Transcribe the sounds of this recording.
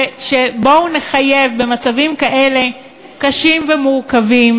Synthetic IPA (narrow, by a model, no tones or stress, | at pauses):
ʃebo̞uneχajevbe̞mat͡savimkaʔe̞le̞ | kaʃimvemukavim